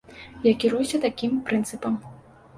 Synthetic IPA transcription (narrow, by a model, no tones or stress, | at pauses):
jakʲiɾujusʲɐt̪akʲimpɾɨnt̪sɨpɐm